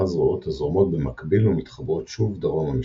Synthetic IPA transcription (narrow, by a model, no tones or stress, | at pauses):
azʁoʔothazʁomo̞t̚bemakbilumit̪χabʁo̞t̪ʃuvd̪aʁomami